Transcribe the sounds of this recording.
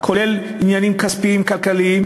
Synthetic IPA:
kʰolel | ɲanimkɐspimkɐlkɐli

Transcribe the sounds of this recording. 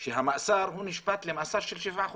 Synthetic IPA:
ʃeɦamaʔsɑɾˤhunɪʃbat̪lɪmaʔsɑɾˤʃɪlʃɪfax

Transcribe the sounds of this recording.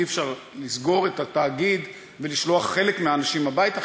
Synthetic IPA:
ifʃaʁ | lisɡo̞ʁetataːɡid̪ | veliʃlo̞aχːe̞lekmeaːnaʃimabajt̪a

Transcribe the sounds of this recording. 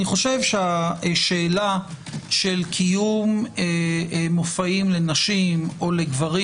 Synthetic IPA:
niχo̞ʃe̞vʃeaʃeːlaʃelkʰijumemofaimle̞naʃimo̞leɡvaʁi

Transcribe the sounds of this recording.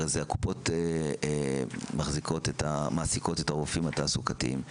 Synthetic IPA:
ezeaku̥po̞te | maχziko̞tetamaːsiko̞tetaʁufimatasukatiḭm

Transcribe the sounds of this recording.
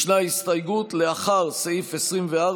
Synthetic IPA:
ʃnahist̪ajɡut̪leaχaʁseifesʁimvea

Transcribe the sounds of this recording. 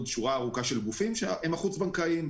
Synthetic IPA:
dʃuʁaːʁukaʃe̞lɡufimʃeemaχut͡sbaŋkaim

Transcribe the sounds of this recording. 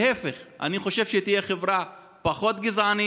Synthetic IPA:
efeχʔa̰niχo̞ʃe̞vʃet̪ijeχevʁa | paχo̞t̪ɡizani

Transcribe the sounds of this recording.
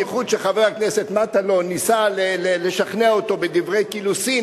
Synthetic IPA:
jeχud̪ʃeχavakneset̪mat̪alo̞nisaleleleʃaχneaot̪o̞bedivʁe̞jkilusi

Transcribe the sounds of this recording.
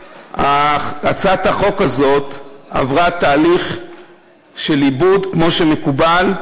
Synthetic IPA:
aat͡sataχo̞kazo̞t̪a̰vʁat̪aːliχ | ʃe̞libud̪kmo̞ʃemekubal

